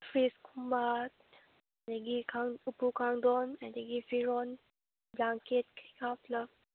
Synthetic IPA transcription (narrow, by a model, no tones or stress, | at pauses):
fɹiskʰumat | deɡikʰãŋupukãŋdɔnɛ̃ndeɡifiɹɔ̃n | blãŋket̚kʰikaflaf